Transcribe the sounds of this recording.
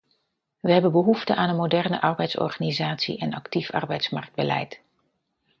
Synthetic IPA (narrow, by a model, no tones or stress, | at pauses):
ʋəɦɛbənbəɦuftəʔaːnɦənmodɛrnə̰ʔɑɹbɛjtsɔ̰ɹχaːnizaːtsḭʔɛnɑktifɑ̰ɹbɛjtsmɑɹk̚d̚bəlɛ̰jt